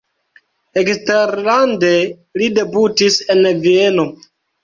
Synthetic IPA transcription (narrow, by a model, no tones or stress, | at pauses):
eksteɾlande̞ | lide̞butise̞nvie̞no